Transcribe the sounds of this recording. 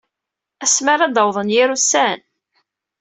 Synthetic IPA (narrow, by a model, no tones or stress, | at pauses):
æsmaɾæd̪ɑwðˤənjɪɾusæn